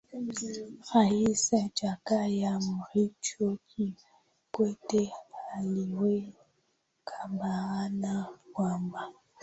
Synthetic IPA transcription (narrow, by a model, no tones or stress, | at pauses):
ɣaisɛd͡ʒakajamuɾit͡ʃokʰi | kwetealiwe | kʰambaɣanakwamba